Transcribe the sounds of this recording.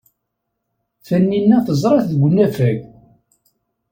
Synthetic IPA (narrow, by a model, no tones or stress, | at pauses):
θənːinːæθəzˤɾˤɑθðɡʷənːæfæɡ